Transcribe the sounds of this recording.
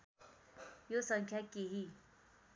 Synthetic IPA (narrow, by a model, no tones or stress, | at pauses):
josəŋkʰjakeɦi